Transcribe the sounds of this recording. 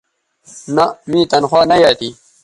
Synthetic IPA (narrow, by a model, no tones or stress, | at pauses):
nɐmĩːt̪ɐnxwaːnɐjaːt̪iː